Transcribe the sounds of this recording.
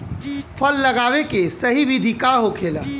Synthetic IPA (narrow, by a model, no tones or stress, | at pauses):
pʰəlːəɡaʋekesəɦiʋid̪ʱikaɦokʰela